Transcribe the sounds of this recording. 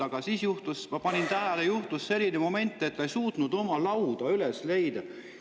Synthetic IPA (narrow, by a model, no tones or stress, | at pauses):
ɑɡ̥ɑsiːsjuht̪usmɑpɑnʲint̪æɦælejuht̪usːe̞lʲːinemo̞me̞nʲt̪ːˑe̞t̪ːejsuːt̪nud̪̥o̞mɑlɑwd̪̥ɑylesle̞jd̪̥ɑ